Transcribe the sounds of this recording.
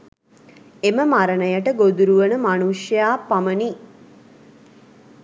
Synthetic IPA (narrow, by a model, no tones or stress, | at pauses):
eməmaɾənəjəʈəɡod̪uɾuʋənəmanuʂjaːpaməni